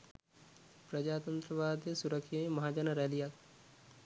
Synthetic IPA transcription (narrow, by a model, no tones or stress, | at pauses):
pɾɐd͡ʒaːt̪ənt̪ɾəʋaːd̪jəsuɾəkʰemɐɦaːd͡ʒɐnɐɾɛːlijaːt̪